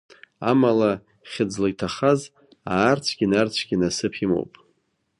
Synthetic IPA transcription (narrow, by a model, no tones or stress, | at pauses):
a̰mala | χʲɪd͡zlaɡʲtʰaχaz | aːrt͡sʷʰɡʲinart͡sʷʰɡʲinasɨpʰimo̰wpʼ